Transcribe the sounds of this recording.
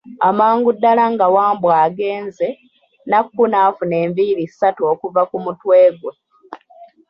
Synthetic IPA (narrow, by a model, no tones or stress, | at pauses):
amaːŋɡudːalaŋɡawaːmbwaːɡe̞ːnze̞ | nakːunaːfune̞ːmbiɾisatuo̞ːkuvakumutwe̞ːɡwe